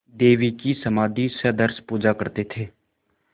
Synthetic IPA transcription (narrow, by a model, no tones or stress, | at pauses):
d̪eːʋikisəmaːd̪ʱisəd̪əɾspuːd͡ʒakəɾt̪et̪ʰeː